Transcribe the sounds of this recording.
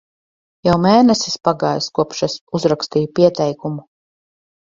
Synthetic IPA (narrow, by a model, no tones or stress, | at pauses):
jawmɛːnɛsispaɡaːjskuɔpʃasuzɾakst̪ijupiɛt̪ɛjkumu